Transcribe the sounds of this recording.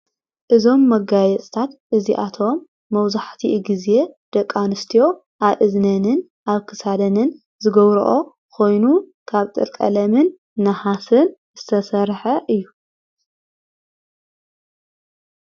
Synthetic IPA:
ʔɨzo̞mːɐɡajɛt͡sʼt̪ʰat̪ʔɨziʔat̪ʰo̞mː | ɐwzaħt̪ʰiʔɡize̞d̪̥ɐkʼːanɨst̪ʰijo̞ | ʔaβʔɨznɐnɨn | ʔaβkʰɨsad̪ɐnɨn | zɨɡɐβɾɨ̰ʔo̞ | kʰo̞jnukʰaβt̪ʼɨ̰ɾkʼɐ̰lɐmɨnː | ɐhasɨnz̥ɨt̪ʰɐsɐɾħɐʔɨjːu

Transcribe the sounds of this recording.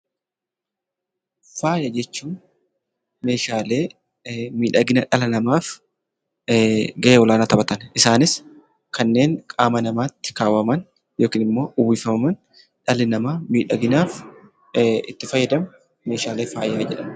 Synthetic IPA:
faːjɐd͡ʒɛt͡ʃːuːn | me̞ːʃaːle̞ː | miːᶑɐɡɪnɐᶑɐlɐnɐmaːf | ɡɐʔeːwɔlaːnɐt̪ɐbɐt̪ɐnʔɪsaːnɪs | kɐnːe̞ːŋkʼaːmɐnɐmaːt̪ːɪ̥kaːwɐmɐn | jo̞ːkiːnɪmːo̞ːʔʊbiːfɐmɐmɐn | ᶑɐlɪnɐmaːmiːᶑɐɡɪnaːf | ɪ̰t̪ːɪfɐjːɐd̪ɐm | me̞ːʃaːle̞ːfaːjaːd͡ʒɛᶑɐm

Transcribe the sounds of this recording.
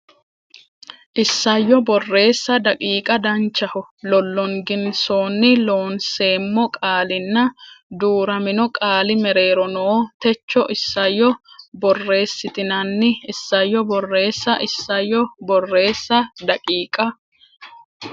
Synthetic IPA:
ʔɪsːɐjːɔbɔrːe̞ːsːɐd̪ɐkʼiːkʼɐd̪ɐnt͡ʃːɐhʊlɔlːɔŋɡɪnsoːnːɪlo̞ːnse̞ːmːɔkʼaːlɪnːɐd̪uːɾɐmɪnɔkʼaːlɪmɛɾe̞ːɾɔnoːt̪ɛt͡ʃːɔʔɪsːɐjːɔbɔrːe̞ːsːɪt̪ɪnɐnːɪɪsːɐjːɔbɔrːe̞ːsːɐʔɪsːɐjːɔbɔrːe̞ːsːɐd̪ɐkʼiːkʼɐ

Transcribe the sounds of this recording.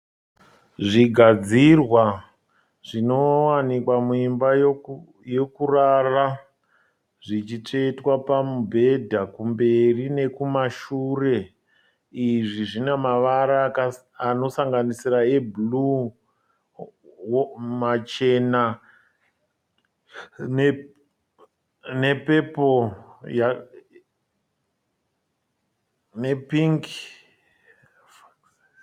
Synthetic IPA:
ʐiɡʱad͡zirwa | ʐ̥ino̞wanikwamuimba | je̞kurara | ʐit͡ʃit͡ʂeitwapamubʱe̞dʱakumbe̞rine̞kumaʃuːre̞ | iʐiʐinemaʋaɾa | ano̞saŋɡanisirae̞blu | mat͡ʃe̞na | ne | ne̞pe̞poja | ne̞piŋk

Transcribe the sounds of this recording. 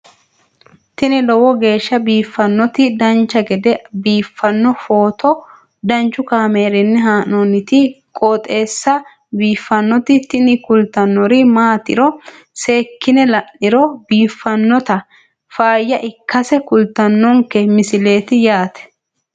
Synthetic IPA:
t̪ɪnɪlɔwɔɡe̞ːʃːɐbiːfːɐnːɔt̪ɪd̪ɐnt͡ʃːɐɡɛd̪ɛbiːfːɐnːɔfoːt̪ɔ | d̪ɐnt͡ʃːʊkaːmeːɾɪnːɛɦaːnɔnɪt̪ɪ | kʼoːt̪ʼe̞ːsːɐ | biːfːɐnːɔt̪ɪt̪ɪnɪkʊlt̪ɐnːɔɾɪmaːt̪ɪ̰ɾɔ | se̞ːkːɪnɛlɐnːɪɾɔb̥iːfːɐnːɔt̪ɐ | faːjːɐʔɪkːɐsɛkʊlt̪ɐnːɔŋkɛmɪsɪle̞ːt̪ɪjaːt̪ɛ̥

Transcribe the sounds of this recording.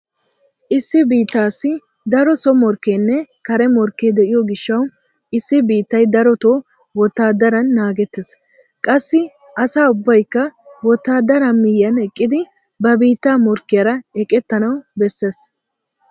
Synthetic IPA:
ʔɪsːɪbiːt̪ːaːsːɪ | d̪ɐɾɔsɔmɔɾkːeːnːɛkɐɾɛmɔɾkːed̪ɛʔɪjɔɡɪʃːɐw | ɪsːɪbiːt̪ːɐjd̪ɐɾɔt̪oː | wɔt̪ːaːd̪ɐɾɐnːaːɡɛt̪ːɪs | kʼɐsːɪ | ʔɐsaːʊbːɐjkːɐwɔt̪ːaːd̪ɐɾɐmɪjːɐnɛkʼːɪd̪ɪ | bɐbiːt̪ːaːmɔɾkːɪjɐɾɐɛkʼɛt̪ːɐnɐwbɛsːes

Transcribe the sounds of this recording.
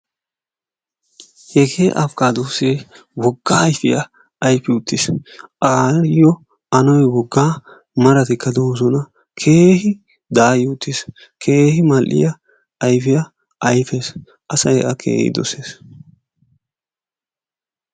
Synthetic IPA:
hɛkʰeːʔɐfkaːd̪uːse | wɔɡːaːjfɪjɐ | ɐjfɪʊt̪ːɪsʔaːɾɪjɔ | ɐnɔjwɔɡːaː | mɐɾɐt̪ɪkːɐd̪oːzɔnɐ | kʰe̞ːɦɪ | d̪aːjʊt̪ːɪs | kʰe̞ːhɪmɐlʔɪ̰jɐː | jfɪjɐ | ʔɐjfes | ʔɐsɐjʔɐkʰḛːhɪ̰d̪ɔ̰seːs

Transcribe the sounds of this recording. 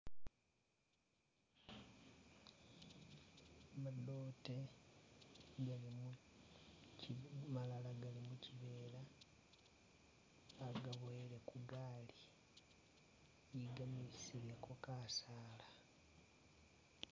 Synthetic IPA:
madoːte | ɡalimu | malalaɡalimuciβe̞ːla | ɡaβeele̞kudaːli | jiɡamisilekokasaːla

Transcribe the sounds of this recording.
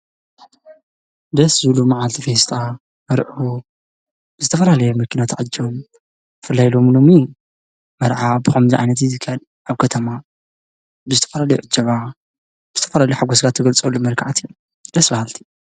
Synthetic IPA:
d̪ɐszɨβlumaʕalt̪ʰifest̪ʰʼa | mɐɾʕu | bɨzɨt̪ʰɐfɐlalɐjɛmɐkʰːinat̪ʰaʕɨd͡ʒːɐβom | fɨlːajlo̞mlomi | mɐɾʕabɨxɐmziʕajnɐt̪̬izɨkʰːɐl | ʔaβkʰɐt̪ʰɐma | bɨzɨt̪ʰɐ̥fɐlalɐjoʔɨd͡ʒːɐβa | bɨzɨ̥t̪ʰɐfɐlalɐjoħaɡosɡat̪ʰɐɡɐlt͡sʼolːomɐlkʰaʕat̪ijːom | d̪̥ɐsbɐhalt̪ʰi̥

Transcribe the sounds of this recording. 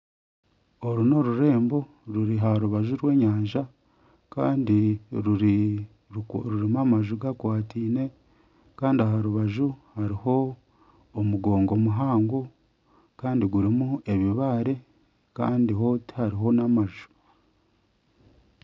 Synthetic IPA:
o̞ɾuno̞ɾuɾe̞ːmbo̞ | ɾuɾiɦaɾuβaʒuɾwe̞ːɲaːɲʒa | kaːndiɾu | ɾuɾimamaʒuɡakwaːtiːne̞ | kaːndiaɦaɾuβaʒuhaɾiho̞ː | muɡo̞ːŋɡo̞muɦaːŋɡo | kaːndiɡuɾimue̞βiβaɾe̞ | ka̰ːndiɦo̞ti̥haɾiɦo̞namaʒu̥

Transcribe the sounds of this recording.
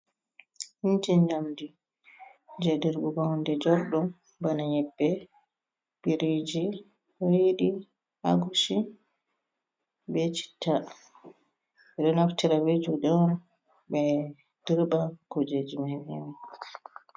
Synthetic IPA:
hind͡ʒind͡ʒamdi | d͡ʒɛdɛɾbuɡawndɛd͡ʒɔɾɗɔm | banaɲɛbːɛ | biɾid͡ʒi | hojɗi | a̰ɡusi | bɛt͡ʃi̥tʰːa | ɛɗɔnaftiɾawed͡ʒuɗɔn | bɛ | d̥iɾbakɔd͡ʒed͡ʒimawim

